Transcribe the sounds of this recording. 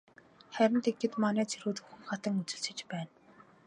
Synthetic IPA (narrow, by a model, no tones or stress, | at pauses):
χæɾʲɪ̆nt̪eɡɡĕt̪manæːt͡sʰiɾuːt̪uxɘ̆ŋχat̪ə̆ŋut͡sɵ̆ɬt͡ɕɘ̆t͡ɕpæːn